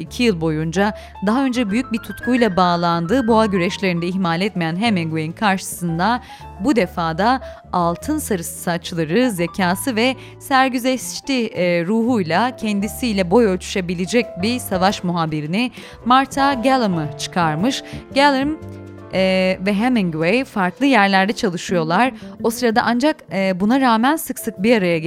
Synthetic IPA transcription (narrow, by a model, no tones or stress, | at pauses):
icʰijɯlˠbo̞jund͡ʒa | d̪aɦaø̞nd͡ʒɛbyjyc̚bit̪ʰut̪kʰujlˠabaːlˠand̪ɯːboaɟyɾɛʃlʲeɾind̪ɛihmaːlʲɛt̪mejænɦemɛnɡujinkʰaɾʃɯ̥sɯnd̪a | bud̪efaːd̪a | alˠt̪ʰɯnsaɾɯssat͡ʃlˠaɾɯzecʰaːsɯvɛ | sæɾɟyzɛst͡ʃt̪iɾuːɦujlˠacʰɛnd̪isiːlʲɛbo̞jølʲt͡ʃ̪ʰy̥ʃebilʲid͡ʒɛc̚bisavaʃmuɦaːbiɾinɪ | maɾt̪ʰaɟɛlˠɯmɯt͡ʃʰɯ̥kʰaɾmɯʃɟælˠɯm | ɛːvɛɦemiŋɡwejfaɾklˠɯjæɾlʲæɾd̪ɛt͡ʃʰalˠɯʃɯjo̞lˠaɾo̞sɯɾad̪a̰ʔand͡ʒakːbunaɾaːmænsɯksɯk̚biaɾajaɡ